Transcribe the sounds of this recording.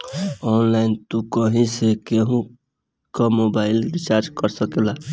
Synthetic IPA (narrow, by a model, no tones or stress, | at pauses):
ɔnlaint̪ũkəɦĩsekeɦũ | kəmobailɾit͡ʃaɾd͡ʒkəɾsəkela